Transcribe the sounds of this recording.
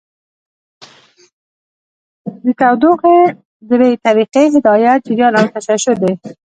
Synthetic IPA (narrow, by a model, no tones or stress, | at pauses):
d̪ət̪awd̪oqe | d̪əbet̪aɾiqeɦɪd̪ɑjat̪̚d͡ʒɪɾjɑnawt̪aʃaʃʊɾd̪ej